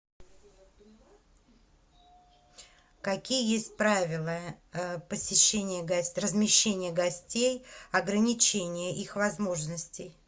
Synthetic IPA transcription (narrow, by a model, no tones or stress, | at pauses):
kɐkʲijəjesʲt̚ʲpɾavʲɪlˠəpəsʲɪɕːenʲɪjəɡɐsʲrəzmʲɪɕːenʲɪjəɡɐsʲtʲejɐɡɾənʲɪt͡ɕenʲɪjəʔixvɐzmo̞ʐnəsʲtʲɪj